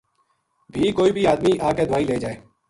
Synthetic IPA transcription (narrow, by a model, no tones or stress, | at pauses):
bʱiːkoːiːbʱiːaːd̪miːʔaːkeːd̪ʊʋaːiːleːd͡ʒaːeː